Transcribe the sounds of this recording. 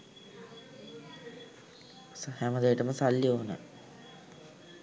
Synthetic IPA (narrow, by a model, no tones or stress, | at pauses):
shæməd̪ejiʈəməsaljoːnə̰